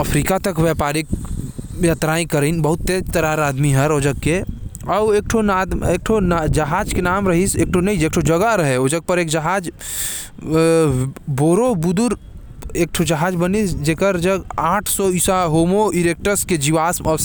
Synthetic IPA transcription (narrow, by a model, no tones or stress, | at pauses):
əpʰɾikat̪ɐkwɛpaːɾik | jat̪ɾaːĩkəɾinbəɦʊt̪ːed͡ʒt̪əɾaɾaːd̪miɦəɾoːd͡ʒəɡ̚ke | ɔeːk̚ʈʰonad̪eːk̚ʈʰond͡ʒɐɦaːd͡ʒkenaːmɾəɦiseːk̚ʈʰonəĩd͡ʒeːkʈʰod͡ʒəɡaɾəɦeoːd͡ʒəɡ̚pəɾeːkd͡ʒəɦaːd͡ʒ | boːɾobʊd̪ʊɾ | eːk̚ʈʰod͡ʒəɦaːd͡ʒbənisd͡ʒekəɾd͡ʒəɡaːʈʰsɔisaɦoːmoiɾek̚ʈəɾsked͡ʒiʋaːsəs